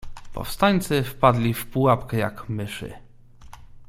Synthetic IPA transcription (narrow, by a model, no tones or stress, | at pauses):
pɔ̰fst̪aɲt̪sɘfpad̪lʲifpuwapkɛja̰kmɘʂɘ̰